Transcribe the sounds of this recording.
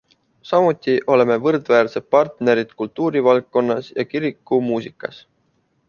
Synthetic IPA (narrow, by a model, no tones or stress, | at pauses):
sɑmut̪ʲːˑiʔo̞le̞me̞vɤrd̪væːɾse̞d̪̚pɑrt̪ne̞ɾid̪̥kult̪ːˑuːɾivɑlkkːo̞nːɑsjɑkiɾikːˑumuːsikːˑɑs